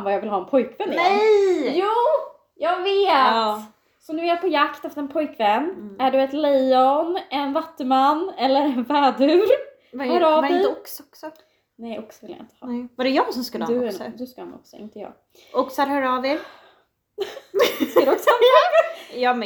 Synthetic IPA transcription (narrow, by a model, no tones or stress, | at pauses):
nvajɑːɡvɪlhɑːɛnpʰɔjkvɛnːɪɛjjuː | jɑːɡveː | sɔnʉaɾpʰɔjakt̪ɛft̪ɛnpʰɔjkvɛnːæɖɵɛt̪lɛjɔnɛnvat̪ːəmanːɛlːəɾɛnvæːd̪ʉːɾ | haɾɑːɪɔksɔksɔ | nɛjɔksɔvɪlja̰ɪnt̪ə̥hɑ̰vaɾɛjɑːɡsɔmskəlːd̪ɵd̪ɵskahanɔ̰ksɔɪ̰nt̪əjɑ̰ːɡ | ʔɔksɔaɾhœɾɑːveɾ | skad̪ɔksɔhɑː | jɑː